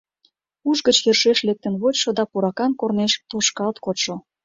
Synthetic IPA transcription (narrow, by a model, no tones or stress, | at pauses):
uʒɡət͡ɕjerʃeʃlek̚t̪ənβot͡ɕʃod̪ɑpuɾɑkɑnkorneʃt̪oʃkɑlt̪kot̪ʃo